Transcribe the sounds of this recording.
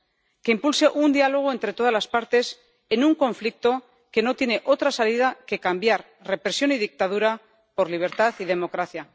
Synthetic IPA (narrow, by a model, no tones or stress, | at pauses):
ke̞impulse̞ʔund̪ialo̞ɣ̞oe̞nt̪ɾe̞t̪o̞ð̞azlaspaɾt̪e̞s | e̞nuŋko̞ɱflik̚t̪o̞ | ke̞no̞t̪je̞ne̞ʔo̞t̪ɾasalið̞ake̞kambjaɾ | re̞pɾe̞sjo̞niðik̚t̪að̞uɾa | po̞ɾliβ̞e̞ɾt̪aθið̞e̞mo̞kɾaθja